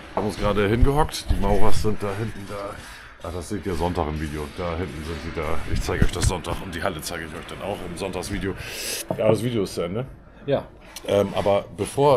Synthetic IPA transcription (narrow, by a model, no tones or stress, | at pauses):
haːbm̩ʊnsɡ̥ʁaːɾəhɪnɡəɦɔktd̥iːmaʊʁasz̥ɪnt̚d̥aːɦɪntn̩daː | ʔaχd̥asz̥eːtiːɐzɔntaːχɪmviːdeod̥aːhɪntn̩zɪntz̥iːdaːʔɪçt͡saɪɡəʔɔʏçd̥asz̥ɔntaχʊnt̚d̥iːhalət͡saɪɡəɪçɔʏçd̥ana̰ʊxɪmzɔntaksv̥iːdeoɡ̥aːbəsv̥iːdejoɪst͡sɛnːə | ja | ʔɛːmʔa̰ːbɐb̥əfoːɐ